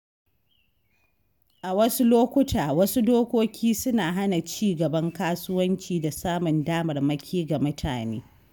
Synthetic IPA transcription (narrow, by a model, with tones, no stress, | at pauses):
ʔa˨wɐ˦su˦loː˦kʷʊ˦tʰaː˨wɐ˦su˦doː˦kʷoː˦kʲiː˦sʊ˦naː˨ɦa˦na˨t͡ʃiː˦ɡɐ˨bɐ˦ŋkaː˦sʊ˦wɐ˦nt͡ʃiː˨da˨saː˦mʊ˨ndaː˦mɐ˨rmɐ˦kʲʰiː˦ɡa˨mʊ˦tʰa̰ː˨nḛː˦